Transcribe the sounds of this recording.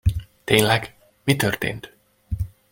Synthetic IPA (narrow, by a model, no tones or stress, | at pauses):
t̪eːnlɛɡ | mit̪ørt̪ḛːnt̪